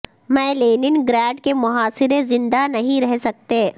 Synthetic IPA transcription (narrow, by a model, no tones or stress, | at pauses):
mɛ̃ːleːnɪnɡɾɛːɖkemʊɦaːsɪɾezɪ̃nd̪anɐɦĩɾɛɦsɐk̚t̪eː